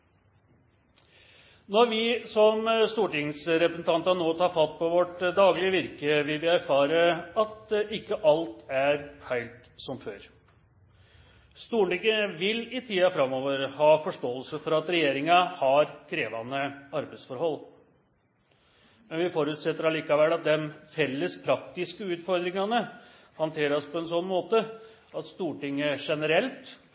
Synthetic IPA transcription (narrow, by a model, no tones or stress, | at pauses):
nɔɾʋɪsɔmst̪uːʈɪŋsɾɛpɾəsn̩t̪ɑnt̪ɑnoːt̪ʰɑːɾfɑt̪̚ːpʰɔʋɔʈd̪ɑːɡlɪəʋɪɾkəʋɪlʋɪæɾfɑːɾəɑt̪ɪkːəʔɑlt̪æɾhæɪlt̪ | sɔmføːɾ | st̪uːɳɪɡəʋɪlɪt̪ʰiːɑfɾɑmːoːʋəɾhɑːfɔʂʈoːəlsəfɔɾɑt̪ɾɛjeːɾɪŋɑhɑɾkʰɾeːʋɑnəɑɾbæɪd̪sfɔɾhɔlː | mɛnʋɪfoɾʉt̪sɛt̪ːəɾɑliːkɑʋɛlːɑt̪̚d̪ɛnfɛlːəspʰɾɑk̚t̪ɪskəʉːt̪fɔɾd̪ɾɪŋɑnə | hɑnt̪ʰeːɾɑspʰɔɛnsɔnːmoːt̪ə | ɑt̪st̪uːʈɪŋːəʂɛnəɾɛlt̪